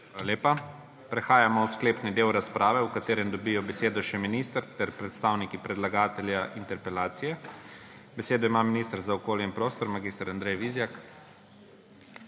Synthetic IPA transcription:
aaljeːpa | pɾɛxaːjamɔwskleːpnid̪eːwɾaspɾaːʋɛwkat̪eːɾɛmd̪ɔbijɔbɛseːd̪ɔʃɛminist̪ɾt̪ɛɾpɾɛt̪st̪aːwnikipɾɛd̪laɡaːt̪ɛljaʔint̪ɛɾpɛlaːt̪sijɛ | bɛseːd̪ɔimaːminist̪əɾzaɔkoːljɛinpɾoːst̪ɔɾmaɡist̪əɾand̪ɾɛjʋizjak

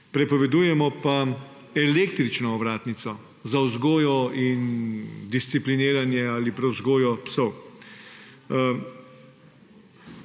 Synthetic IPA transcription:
pɾɛpɔʋɛd̪uːjɛmɔpa | ɛlekt̪ɾit͡ʃnɔːʋɾaːt̪nit̪sɔ | zawzɡoːjɔind̪ist̪siplineːɾanjɛaːlipɾɛwzɡoːjɔpsɔw

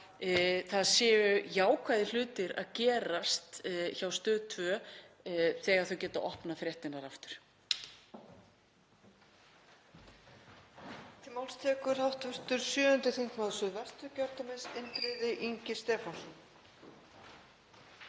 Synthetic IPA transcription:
θaðsjɛːʏjaːwkʰvajðɪl̥ʏːt̪ɪɾa̰ðcɛːɾast̪çawst̪œːðt̪ʰvœː | θɛːɣaɾ̥θœwcɛːt̪aʔɔhpnafɾjɛht̪ɪnaɾaft̪ʏɾ̥ | t̪ʰɪmawlst̪ʰɛːkʏɾ̥hawht̪vœr̥t̪ʏɾ̥sjœːʏnt̪ɪθiŋ̥kmaðsʏðvɛst̪ʏcœɾt̪amɪnsɪnt̪ɾɪðɪʔiɲcɪst̪ɛːfansɔn

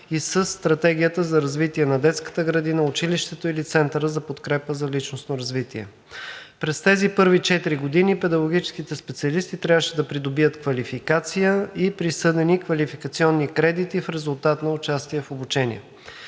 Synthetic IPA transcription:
isəsːt̪ɾɐt̪ɛɡ̟ʲijət̪əzɐɾɐzvit̪iɛnɐd̪ɛt̪skə̥t̪əɡɾɐd̪inəʊt͡ʃiliʃt̪ɛt̪oilit̪sɛnt̪əɾəzɐpot̪kɾɛpəzɐlit͡ʃnosnoɾɐzvit̪iɛ̰ | pɾɛst̪ɛzipɤɾvit͡ʃɛt̪iɾiɡod̪inipɛd̪ɐɡoɡ̟it͡ʃɛ̥skit̪ɛspɛt̪siɐlist̪it̪ɾʲavəʃɛd̪ɐpɾid̪obiət̪kvɐlifikat̪sijəipɾisɤd̪ɛnikvɐlifikət̪siɔnːikɾɛd̪it̪ifɾɛzulˠt̪at̪nɐʊt͡ʃast̪iɛfobut͡ʃɛnḭɛ̰

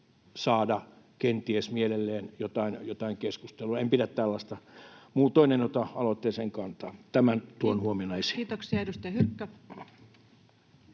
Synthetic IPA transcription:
sɑːdɑ | kent̪iesmielelːeːnjot̪ɑinjot̪ɑiŋkeskust̪eluɑempiɾæt̪t̪ælːɑst̪ɑmuːt̪oinent̪ot̪ɑɑlot̪ːeːseŋkɑnt̪ɑːt̪æmænt̪uonhuominɑisi̥ːt̪oksiɑedust̪ɑjɑhykːæ

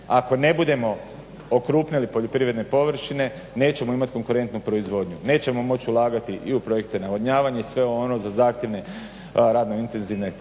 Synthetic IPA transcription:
ako̞ne̞bud̪e̞mo̞ | okɾuːpnilipo̞ʎo̞pɾiːʋɾed̪nepo̞ʋr̩ʃine̞ | ne̞ːt͡ɕe̞mo̞imat̪iko̞ŋkuɾe̞nt̪nupɾo̞izʋo̞d̪ɲune̞ːt͡ɕe̞mo̞mo̞t͡ɕiulˠaːɡat̪iʔiupɾo̞je̞kt̪e̞naʋodɲaːʋaɲaisʋe̞ono̞zazaːxt̪jeʋne̞ | ɾaːd̪noint̪e̞nziʋne̞

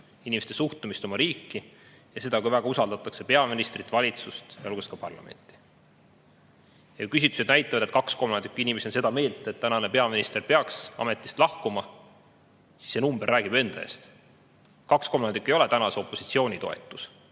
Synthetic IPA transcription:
inimest̪esuht̪umist̪o̞mɑɾiːkːi | jɑse̞d̪ɑkujvæɡ̥ɑusɑld̪ɑt̪ːˑɑkse̞pe̞ɑminist̪rit̪ːˑvɑlʲit̪sust̪jɑolɡuskɑpɑrlɑ̰me̞̰nʲt̪ːˑi̥ | jɑujkys̬it̪ːˑu̥se̞d̪næjt̪ːˑɑvɑd̪et̪kɑksko̞mːɑnd̪ikːˑinʲimeseonse̞d̪ɑme̞ːlt̪ːˑet̪t̪ːænɑne̞pe̞ɑminist̪e̞rpe̞ɑksɑ̰me̞t̪ːˑi̥st̪lɑhkumɑ | si̥sːenumberːæːɡ̥ibe̞nd̪ɑḛːst̪ | kɑksko̞mːɑnd̪ikːˑe̞jo̞le̞t̪ænɑse̞o̞pːˑo̞si̥t̪sio̞ːnʲit̪o̞̰e̞̰t̪ˑːus

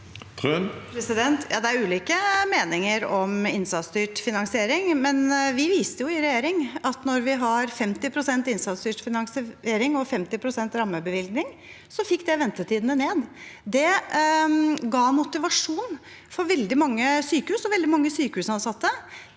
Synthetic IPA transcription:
t̪ʰpʰɾɛsɪd̪ɛnt̪ʰjɑ̰ːd̪ɛæɾʉːliːkəmeːnɪŋəɾɔmɪnsɑt̪sd̪yːʈfɪnɑŋsɪeːɾɪŋmɛnʋɪʋiːst̪əjʊɪɾɛjeːɾɪŋɑt̪nɔɾʋɪɦɑɾfɛmt̪ɪpʰɾʊsɛnt̪ɪnsɑt̪sd̪yːʈfɪnɑŋseːɾɪŋɔfɛmt̪ɪpʰɾʊsɛnt̪ɾɑmːəbəʋɪlɡnɪŋ | sɔfɪkːd̪ɛʋɛnt̪ət̪iːd̪ənəneːd̪d̪ɛ | ɡɑːmʊt̪ɪʋɑʂuːn | fɔɾʋɛld̪ɪmɑŋːəsyːkəhʉːsɔʋɛld̪ɪmɑŋːəsyːkəhʉːsɑnsɑt̪ːə

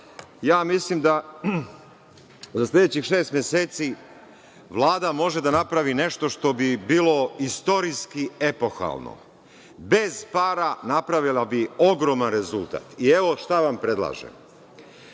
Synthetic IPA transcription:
jaːmislimd̪a | zaslʲe̞d̪et͡ɕixʃeːst̪mjeseːt̪si | ʋlˠaːd̪amo̞ʒe̞d̪anapɾaʋine̞ʃt̪o̞ʃt̪o̞bibiːlo̞ist̪o̞ɾiskie̞po̞xa̰lˠno̰ | be̞zpaːɾanapɾaʋilabio̞ɡɾo̞manɾe̞zult̪a̰ːt̪ie̞ʋo̞ʃt̪aʋampɾe̞d̪lˠa̰ːʒḛm

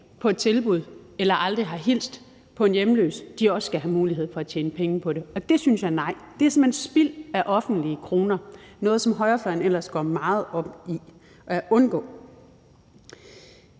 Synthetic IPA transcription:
pʰɒ̽e̝d̥̚t͡sʰe̝lb̥uð̞̰ˠ | elɐʔɑ̈ld̥ʁiɦɑ̈ɦil̰sd̥ | pʰɒ̽e̝njemlø̰ːsd̥iɒ̽ssɡ̥æɦæmuːliɦe̝ð̞̰ˠfɒ̽æt͡ɕʰjeːnəpʰeŋəpʰɒ̽ɾe̝ɒ̽d̥e̝synsjɑ̈ɪnɑ̈ɪ̰d̥e̝æɐse̝mhensb̥il̰æʔɒ̽fn̩d̥liəkʰʁo̝ːnɐnɔ̽ːð̞̩ˠsɒ̽mɦɒ̽ɪɐfɶɐnel̰ɐsɡ̥ɒ̰ːmɑ̈ːð̞̩ˠɒ̽b̥i | æʔɔ̽nɡ̥ɔ̰̽ː

